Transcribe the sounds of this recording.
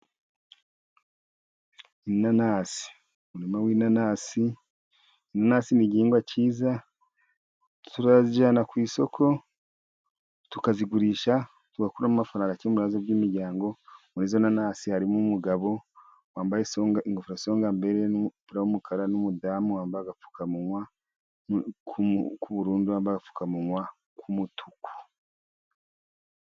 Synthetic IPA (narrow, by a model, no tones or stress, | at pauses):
inanaːsi̥ | umuɾimawiːnanaːsiː | nanasiniɟiːŋɡwaciːza | tuɾaziɟaːnakwiːso̞kʰo̞ | tukaziɡuɾiːʃa | tuɡakuɾamumafaɾaːŋɡacemuɾaːzobɡiːmiɾɟaːŋɡo̞munizonanaːsihaɾimumuɡaβo̞ | waːmbajesoŋɡaiŋɡofuɾaso̞ːŋɡambe̞ɾe̞nupiɾawumukʰaɾanumudaːmuwaːmbaɡafu̥kamuŋwa | kukʰuβuɾuːnduwaːmbaɡafu̥kamuŋwa | kʰumutʰuku̥